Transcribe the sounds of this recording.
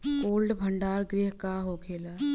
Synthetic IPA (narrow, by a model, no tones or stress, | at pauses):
koːlɖbʱə̃ɳɖaːɾɡɾɪɦkaɦoːkʰeːlaː